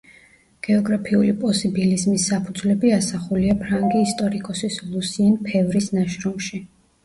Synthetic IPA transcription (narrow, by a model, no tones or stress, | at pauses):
ɡ̥ɛɔɡɾapʰiulipʼɔsibilizmisːapʰud̪zlɛbiasaχuliapʰɾaŋɡiːst̪ʼɔɾikʼɔsislˠusiɛnpʰɛvɾisnaʃɾɔmʃi